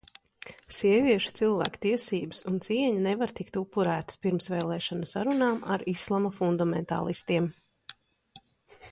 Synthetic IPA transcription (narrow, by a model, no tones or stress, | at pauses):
siɛviɛʃu̥t̪silˠvæ̰ːkt̪iɛsiːbɨ̥sunt̪siɛɲinevaɾt̪ikt̪upːuɾæːt̪ə̥spiɾmsvɛːlˠɛːʃɔnusa̰ɾunaːmʔaɾislˠamafund̪amɛ̰nt̪a̰ːlˠist̪iɛm